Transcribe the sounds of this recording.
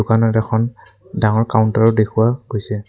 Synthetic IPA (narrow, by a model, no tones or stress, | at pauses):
ʊkanɔtɛxʰɔn | daŋɔɹkawʊntaɹɔdekʰuwaɡojsɛ